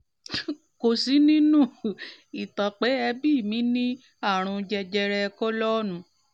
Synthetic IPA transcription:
ko˨si˨˦nĩ˦nũ˦˨i˨ta˨k͡pe˨˦ɛ˧bi˦˨mĩ˨˦nĩ˦ | a˦˨ɾ̃ũ˧d͡ʒɛ˧d͡ʒɛ˧ɾɛ˧kɔ˦lɔ˦nũ˧˦

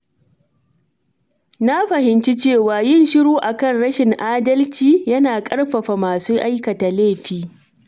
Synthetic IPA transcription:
na˦ɸɐ˨ɦɪ˨nt͡ʃi˦t͡ʃeː˦˨waː˨jɪ˦˨nʃɪ˦ɽoː˦ʔa˨kɐ˦˨nɽɐ˦ʃɪ˨ŋʔaː˦dɐ˦lt͡ʃiː˦jɐ˦naː˨kʼɐ˦ɽɸɐ˨ɸa˨maː˨suː˦ʔa˦jkɐ˨ta˨leː˦˨ɸiː˦

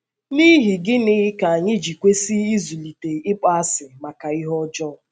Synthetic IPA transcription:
ni˦ɦi˨ɡɪ˦nɪ˦ka˨a˨ɲɪ˦d͡ʒi˨kʷe˦si˦i˦zu˨li˨te˨ɪ˦k͡pa˦sɪ˨ma˨ka˨i˦ɦɔ˦d͡ʒɔ˦˨

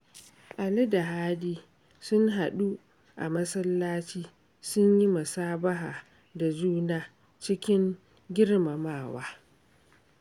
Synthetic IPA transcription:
ʔa˨lɪ˦da˨ɦaː˦diː˦ | sʊ˦ŋɦa˨ɗu˦ | ʔa̰˨mɐ˦sɐ˦lːaː˦t͡ʃiː˦ | sʊ˦ɲji˦mɐ˨saː˦bɐ˦ɦaː˨ | da˨d͡ʒuː˦naː˦˨ | t͡ʃɪ˦kʲɪ˦ŋ | ɡʲɪ˦rma˨maː˦˨wa̰ː˦

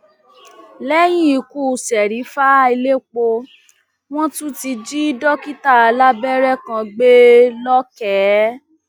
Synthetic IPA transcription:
lɛ˦j̃ĩ˦i˨ku˦˨sɛ˨ɾi˨˦fa˦i˧le˦k͡po˧ | w̃ɔ̃˦tũ˦ti˧d͡ʒi˦dɔ˦ki˦ta˦˨a˨˧la˦bɛ˦ɾɛ˦˨kã˧ɡ͡be˦lɔ˦kɛ˨˦

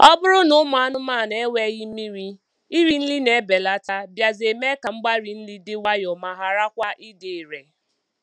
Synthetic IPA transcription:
ɔ˦bʊ˦ɾʊ˦nʊ˦ma˨a˦nʊ˦ma˦˨ne˦we˦ɣi˦mi˦ɾi˦ | i˦ɾi˦n̩˦li˦ne˨˦be˨la˦ta˦bja˨ze˨me˦ka˨ŋ͡m̩˦ɡ͡ba˦ɾi˨n̩˦li˦dɪ˦wa˦jʊ˨ma˨ɦa˨ɾa˦kʷa˦ʔi˦dɪ˨ɾe˨

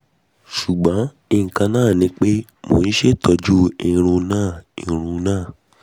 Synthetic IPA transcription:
ʃu˨ɡ͡bɔ̃˨˦ | i˧˨ŋ̩˨kã˧nãː˦˨nĩ˨˦k͡pe˦mo˨n̩˦ʃe˦˨tʰɔ˨˧d͡ʒu˦ĩ˦˧ɾ̃ũ˧nãː˦˨ḭ̃˨ɾ̃ũ˧nãː˦˨

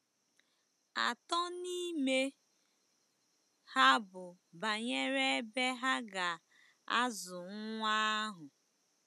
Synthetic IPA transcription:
a̰˨tɔ˦ni˦me˦ | ha˦bʊ˨ba˨ɲe˦ɾe˦e˦be˦ɦa˦ɡa˨ | a˦zʊ˨ŋ̩˦ŋʷa˦ɦʊ˨

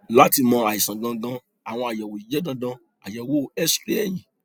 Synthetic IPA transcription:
la˦ti˧mɔ̃˧a˨i˨sã˨ɡã˧ɡã˧ | a˨w̃ɔ̃˧a˨jɔ˨wo˨i˨d͡ʒɛ˦dã˧˦dã˧ | a˨jɔ˨wo˨˦˨ɛ˦spe˦ɛ˨jĩ˨

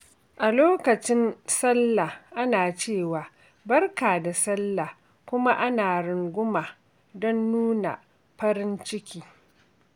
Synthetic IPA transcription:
ʔa˨loː˦kɐ˨t͡ʃɪ˦nsɐ˦lːa˨ʔa˦naː˨t͡ʃeː˦˨waː˨ | bɐ˦rkaː˨da˨sɐ˦lːa˨ | kʷʊ˦ma˦ʔa˦naː˨ɽʊ˨ŋɡʷʊ˦ma˨ | dɔ˦nːuː˦na̰˨ | ɸɐ˦ɾɪ˦nt͡ʃɪ˦kʲiː˦

